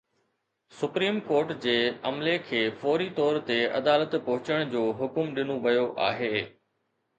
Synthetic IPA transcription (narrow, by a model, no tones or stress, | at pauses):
sʊpɾiːmkoːɾʈd͡ʑeːɐmlekʰeːfoːɾit̪ɔːɾt̪eɐ̰d̪aːlət̪pɐɦʊt͡ɕəɽ̃d͡ʑoːɦʊkʊmɗɪnoʋɐjoʔa̰ːɦeː